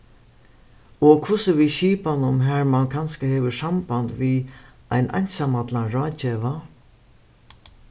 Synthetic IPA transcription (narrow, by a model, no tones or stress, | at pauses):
ɔkʰʊsəʋiɕiːpanʊmɦæɹmankʰanskəheːʋəsamband̪ʋi | aɪnʔa̰jɲʲsamat̪ʰlaɾɑːt͡ɕɛʋa